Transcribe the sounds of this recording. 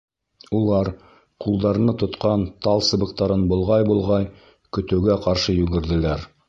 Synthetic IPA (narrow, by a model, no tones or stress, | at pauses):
ulˠɑɾ | qulˠd̪ɑɾ̆nɤt̪ŏt̪qɑnt̪ɑlˠsɤ̆bɤ̆qt̪ɑɾɤnbŏlˠʁɑjbulˠʁɑj | kɵ̆t̪ɘ̆wɡæqɑɾʃɤjʉɡɘ̆ɾd̪ɘ̆læɾ